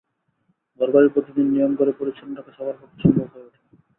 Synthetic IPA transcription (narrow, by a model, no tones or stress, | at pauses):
ɡɔɾbaɾipɾot̪id̪inːijomkoɾepoɾet͡ɕʰonʈakeʃɔbʱaɾkɔk̪ʰe̥ʃʰɔmbʱobɦɔeoʈʰe̥